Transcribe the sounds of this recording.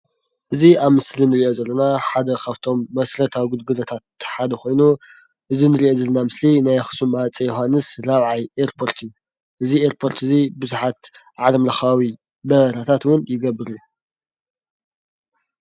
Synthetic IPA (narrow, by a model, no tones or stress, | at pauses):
ʔɨziaβmɨslinɨɾiʔo̞zɐlːɐnaħad̪ɐkʰaβt̪ʰo̞mːɐsɾɐt̪ʰawɡulɡɨlot̪ʰat̪ħad̪ɐxo̞jnu | ʔɨzinɨɾiʔo̞d̪ɐlːnamɨslinajxɨ̥sumat͡sʼijoɦanːɨsɾaβʕajeɾpʰo̞ɾt̪ʰɨjːu | ʔɨzieɾpʰo̞ɾt̪ɨzibɨzuħat̪ | ʕalɐmlɐxawi | bɐɾɐt̪ʰat̪ʰat̪wʊnjɪɡɐbːɨɾiju